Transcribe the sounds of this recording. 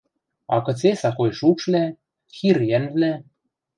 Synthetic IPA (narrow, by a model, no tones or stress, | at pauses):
ɑ̰kɤ̆t͡sesɑxojʃukʃβlæ | xirjænvlæ